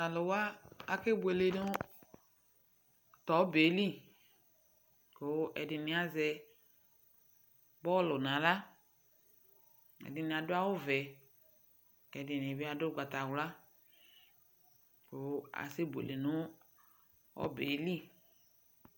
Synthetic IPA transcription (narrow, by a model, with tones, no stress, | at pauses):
a˨lʊ˨wa˦a˨ke˦bu˨e˨le˨nʊ˦ | t̪ɔ˨˦be˨˦li˦˨ | ko˨˦ʔɛ̰˨dɪ˨nɪ̃˨˦a˨zɛ˧ | bɔ˦lʊ˨nã˨la˦ | ɛ̰˨dɪ˨nɪ̃˨a˨dʊ˦a˦wʊ˦vɛ˨ | ɛ˨dɪ˨nɪ̃˨bi˦a˨dʊ˦ɡʷa˨t̪a˨wla˦ | ko˨˦a̰˨sɪ˦bu˨ḛ˨le˨nʊ˦ | ɔ̰˦bḛ˨˦li˦